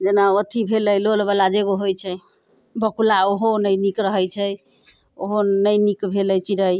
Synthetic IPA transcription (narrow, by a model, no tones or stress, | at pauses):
d͡ʒenaot̪ʰibʱeləjlolbalad͡ʒeɡoɦojt͡ʃʰɛ | bəkulaoɦonəjnikɾəɦəjt͡ʃʰɛ | oɦonəjnikbʱeləjt͡ʃʰiɾəj